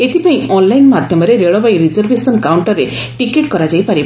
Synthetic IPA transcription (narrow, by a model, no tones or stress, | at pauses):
et̪ipaĩɔnlajnmad̪ʱjɔmɔɾeɾeɭɔbaĩɾid͡ʒɔɾbesɔnkawɳʈɔɾeʈikeʈkɔɾad͡ʒajpaɾib